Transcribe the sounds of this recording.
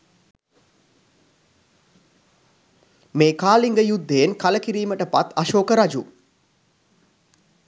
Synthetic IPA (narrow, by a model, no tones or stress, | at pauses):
meːkaːliŋɡəjud̪ːeːnkaləkiɾiːməʈəpat̪aʃoːkəɾad͡ʒu